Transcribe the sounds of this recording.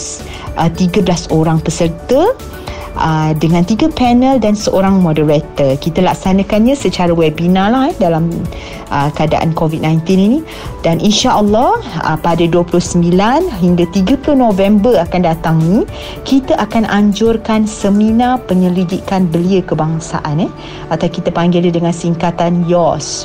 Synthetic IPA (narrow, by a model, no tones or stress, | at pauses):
s | ʔət̪iɡəblasoɾaŋpəsərt̪ə | ʔədəŋãnt̪iɡəpɛnəldansəʔoɾaŋmɔdəɾat̪əkit̪əlaksanə̃kanɲãsət͡ʃaɾawɛbinãlahɛdalam | ʔəkəada̰ʔa̰nkovit̪̚nãjnt̪ininĩ | danʔinʃaʔəlːɔə̰padaduəpulʊsəmbilanɦiŋɡat̪iɡəplunõvɛmbərakandat̪aŋni | kit̪aʔakanaɲd͡ʒʊrkansəmĩnapəɲəlidikanbəliəkəbaŋsa̰ʔanɛ | at̪awkit̪əpaŋɡiladəŋansiŋkat̪anjɔs